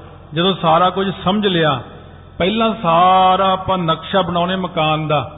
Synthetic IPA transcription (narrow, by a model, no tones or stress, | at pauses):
d͡ʒəd̪õːsaːɾaːkʊd͡ʒsəməd͡ʒlɪaː | pɛːlãːsaːɾãːəpãːnəkʃaːbəɽaːneːməkaːnd̪aː